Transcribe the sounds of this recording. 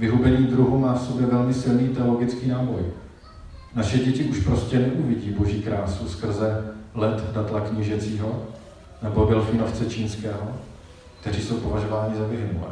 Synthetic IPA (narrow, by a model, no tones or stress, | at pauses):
vɪɦubɛɲiːd̪ɾuɦumaːfso̞bjɛvɛlmɪsɪlniːt̪ɛo̞loɡɪt͡skiːnaːbo̞j | naʃɛɟɛcɪʔuʃpɾo̞scɛnɛʔuvɪɟiːbo̞ʒiːkɾaːsuskr̩zɛlɛt̪dat̪lakɲɪʒɛt͡siːɦo̞ | nɛbo̞vɪlfiːno̞ft͡sɛt͡ʃiːnskɛːɦo̞ | kt̪ɛr̝iːso̞wpo̞vaʒo̞vaːɲɪzavɪɦnṵ